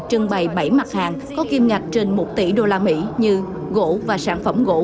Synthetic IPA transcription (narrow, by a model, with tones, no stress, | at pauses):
t͡ɕɨ˧əŋɓa˨˩jɓə˧˩jma˨˩t̚haː˨˩ŋkɔ˨˦ki˧mŋa˨˩jk̚t͡ɕe˧nmo˨˩t̚t̪ḭ˧˥ɗo˧laː˧mḭ˧˥ɲɨ˧ | ɣo̰˧˥vaː˨˩saː˧˩nfə˧˩mɣo̰˧˥